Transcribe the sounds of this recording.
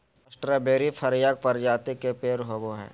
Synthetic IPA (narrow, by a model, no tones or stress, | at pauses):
ɐsʈɾabeːɾipʰɐɾjaːɡ̚pɐɾd͡ʒaːt̪ikepeːɾɦoboɦɛ̰ː